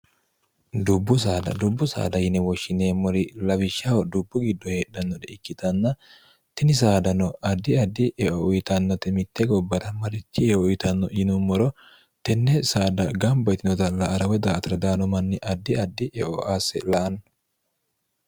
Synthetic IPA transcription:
d̪ʊbːʊs̬aːd̪ɐ̰d̪ʊbːʊsa̰ːd̪ɐjɪnɛwɔʃːɪneːmːɔɾɪlɐbɪʃːawɐd̪ʊbːʊɡɪd̪ːɔheːᶑɐnːɔd̪ɛɪkːɪt̪ɐnːɐ | t̪ɪnɪs̬aːd̪ɐnɔɐd̪ːɪɐd̪ːɪʔɛʔɔʔʊjɪt̪ɐnːɔt̪ɛmɪt̪ːɛɡɔbːɐt̪ɐmɐɾɪt͡ʃːɪɛʔʊjɪt̪ɐnːɔɪnʊmːɔɾɔ | t̪ɛnːɛsaːd̪ɐɡɐmbɐjt̪ɪnɔt̪ɐlɐʔɐɾɐwɛd̪aːt̪ɐɾɐd̪aːnɔmɐnːɪʔɐd̪ːɪɐd̪ːɪʔɛʔɔʔaːsːɛlɐʔɐn

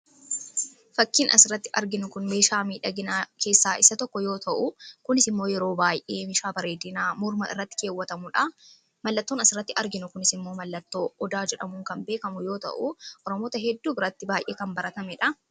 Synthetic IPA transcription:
fɐkːiːnɐsɪɾɐt̪ːɪʔɐɾɡɪnʊkʊnme̞ːʃaːmiːᶑɐɡɪnaːke̞ːsːaːʔɪsɐt̪ɔkːɔjo̞ːt̪ɐʔʊkʊnɪsɪmːoːjɛɾo̞ːbaːjʔeːmɪʃaːbɐɾe̞ːd̪ɪnaːmʊɾmɐɪ̰rːɐt̪ːɪ̥ke̞ːwːɐt̪ɐmʊᶑɐ | mɐlːɐt̪ːonɐsɪɾːɐt̪ːɪʔɐɾɡɪnʊkʊnɪsɪmːo̞ːmɐlːɐt̪ːo̞ːɔd̪aːd͡ʒɛᶑɐmʊŋkɐmbe̞ːkɐmʊjo̞ːt̪ɐ̰ʔʊʔɔɾɔmoːt̪ɐɦɛd̪ːuːbɪɾɐt̪ːɪbaːjʔeːkɐmbɐɾɐt̪ɐmɛᶑɐ

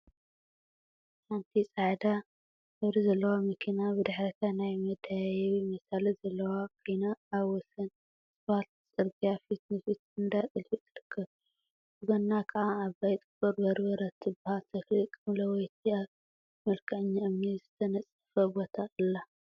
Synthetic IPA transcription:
ħant̪ʰisʼaʕd̪a | ʔɨβɾizɐlːɐwamɐkʰinabɨd̪ɨħɾɐt̪ʰanajmɐd̪ajajwimɐsalizɐlːɐwakʰijnaːβwɔsɐn | sʼɨβat̪̚sʼɨɾɡijafit̪nɨfit̪ɨnd̪at̪ʼɨlfit̪ʰɨɾɨkʰːɐβ | bɨɡɐnːakʰɐʔaːβbajt̪ʼɨfɐɾbɐɾbɐɾɐt̪ʰɨbhalt̪ʰɐxlɨkʼɨmlɐwɔjt̪ʰiaβ | mɐlkʰɐʕɲːaʔɨmnizɨt̪ʰɐnɐt͡sʼːɐ̥fɐbot̪ʰaɨlːa

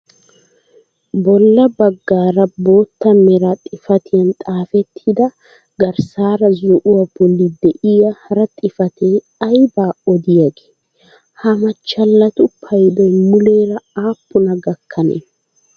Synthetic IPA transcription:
bɔlːɐbɐɡːaːɾɐbo̞ːt̪ːɐmɛɾɐt̪ʼɪfɐt̪ʰɪjɐnt̪ʼaːfɛt̪ʰːɪd̪ɐ | ɡɐɾsaːɾɐzʊʔʊwabɔlːɪd̪ɛʔɪjɐhɐɾɐt̪ʼɪfɐt̪ʰe | ɐjbaːɔd̪ɪjɐɡe̥ː | hɐmɐt͡ʃːɐlːɐt̪ʊpʰɐjd̪ɔjmʊleːɾɐaːpːʊnɐɡɐkʰːɐnḛː

